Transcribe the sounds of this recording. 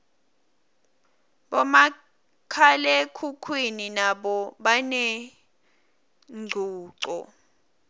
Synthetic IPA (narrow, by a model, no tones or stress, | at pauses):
ɓɔma | kʰalɛkʰukʰwininaɓɔɓanɛ | ŋ͡ǀʱuːǀɔ̰